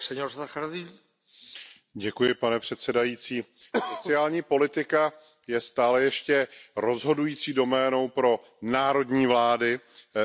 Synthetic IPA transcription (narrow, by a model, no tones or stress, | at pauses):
sɛɲoɾszaxaziː | ɟɛkujɪpanɛpr̥ɛt̪sɛdajit͡siː | so̞t͡sɪaːlɲiːpo̞lɪt̪ɪka | jɛst̪aːlɛjɛʃcɛɾo̞zɦo̞dujiːt͡siːdo̞mɛːno̞wpɾo̞ | naːɾo̞dɲiːvlaːdɪ